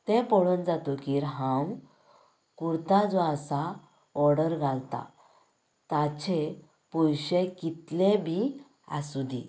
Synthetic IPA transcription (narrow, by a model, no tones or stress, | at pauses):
t̪ẽpɔɭuːnd͡zat̪okiːɾɦãw | kuɾt̪ad͡zɔasa | ɔɾɽəɾɡʱalt̪a̰ | t̪at͡ɕe | pujɕekit̪lebʱi | a̰sud̪i